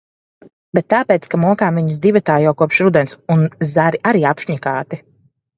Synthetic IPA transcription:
bɛt̪̚ːaːpeːt̪skamuɔkaːmviɲuzd̪ivat̪aːjawkuɔpʃɾud̪ɛnsunzaɾiʔaɾiːapʃɲikaːt̪i

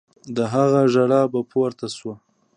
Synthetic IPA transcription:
d̪əɦaɣaʒaɽɑbapʰoɾt̪aswa

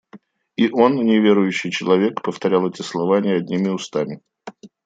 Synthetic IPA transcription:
iʔo̞nnʲɪvʲe̞ɾʊjʉɕːɪjt͡ɕɪlˠɐvʲe̞kpəft̪ɐɾʲalˠɛtʲɪslˠɐvanʲɪjəɐdʲnʲimʲɪʊst̪amʲɪ

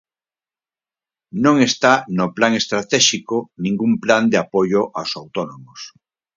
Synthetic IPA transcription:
nõŋest̪anoplaŋest̪ɾat̪ɛʃikonĩŋɡumpland̪eapoʎoʔawsawt̪onomos

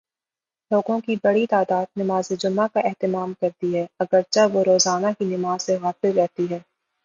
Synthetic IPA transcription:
loːɡõkibɐɽit̪aːd̪aːd̪̚nɐmaːzed͡ʒʊmːakaʔɛɦt̪ɪmaːmkɐɾt̪iɦɛːɐɡəɾt͡ʃaʋoɾoːzaːnakinɪmaːz̥seɣaːfɪlɾɛɦt̪iɦɛː

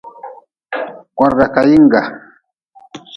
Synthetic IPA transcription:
wɑɾɢɑkajɪɴɢɑ

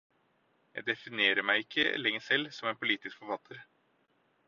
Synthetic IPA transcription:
jæɪd̪ɛfɪneːɾəmæɪɪkʰːə̰lɛŋːəsɛlːsɔmeːnpʰʊliːt̪ɪskfɔɾfɑt̪ʰːəɾ

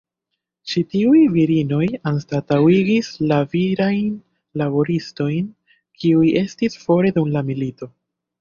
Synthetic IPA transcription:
t͡ʃitiujviɾino̞janstatawiɡislaviɾajn | labo̞ɾisto̞jn | kʰiuje̞stisfo̞ɾe̞dumlamilito̞

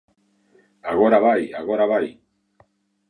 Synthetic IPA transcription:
aɣo̞ɾaβajaɣo̞ɾaβaj

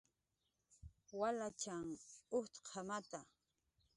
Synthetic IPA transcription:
walat͡ʃaŋʊt̪qʰamat̪a

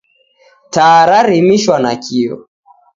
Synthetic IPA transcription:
taɾaɾimiʃwanakʰiɔ̰

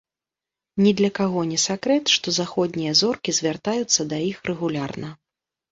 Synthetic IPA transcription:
nʲɛd̪lʲɐkaɣɔnʲɛsʲakɾɛt̪ʂt̪ɔzaxɔd̪ʲnʲijɐzɔrkʲizʲvʲart̪ajut̪sːɐd̪ɐjixrɛɣulʲarnɐ

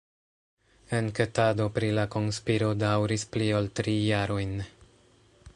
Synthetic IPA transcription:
e̞nke̞tado̞pɾilako̞nspiɾo̞dawɾisplioltɾijaɾo̞jn

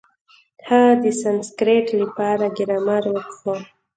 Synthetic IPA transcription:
had̪əsanskɾeʈləpɑɾaɡɪɾamaɾwəkxo

